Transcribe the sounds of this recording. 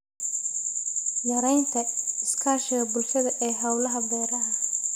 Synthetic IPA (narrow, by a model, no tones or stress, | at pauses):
jɐɾɛjnt̪ʰɐɪskʰaːʃɪɣɐbʊlʃɐðɐʔɛːɦɐwlɐɦɐbɔːɾɐɦɐ